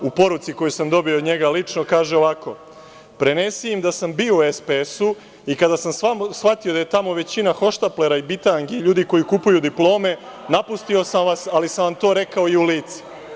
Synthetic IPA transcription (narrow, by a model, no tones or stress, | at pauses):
upo̞ɾut̪siko̞jusamd̪o̞biod̪ɲe̞ɡalit͡ʂnokaːʒeoʋako̞̰ | pɾe̞nesiimd̪asambiːouespeesu | ikad̪asamsamsʋat̪io̞d̪aje̞t̪amo̞ʋe̞t͡ɕinaxo̞ʃt̪aple̞ɾaibit̪aŋɡiʎuːd̪iko̞jikupujud̪iplo̞ːme̞napust̪io̞samʋasalisamʋamt̪o̞ːɾe̞kao̞iuliːt̪si̥